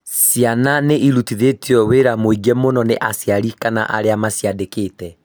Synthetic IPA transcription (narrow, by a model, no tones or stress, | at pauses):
sjananeʔiɾutiðetiɔweɾamoiɡɛmonɔneʔasjaɾikana̰ʔa̰ɾeamasjadekeːtɛ